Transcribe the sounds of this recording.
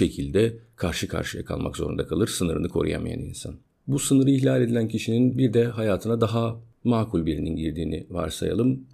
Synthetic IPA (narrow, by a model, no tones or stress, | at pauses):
e̞cʰilʲd̪ɛkʰaɾʃɯkʰa̰ɾʃɯja̰kʰa̰lˠma̰kzo̞ɾund̪akʰalˠɯɾsɯnɯɾɯnɯkʰo̞̰ɾṵja̰maja̰nḭnsa̰n | busɯnɯɾɯiçlʲalʲe̞d̪ilʲæncʰiʃininbiɾd̪ɛɦajaːt̪ʰɯnad̪aɦa | maːkʰulʲbiɾininɟiɾd̪iːnḭva̰ɾsa̰ja̰lˠɯm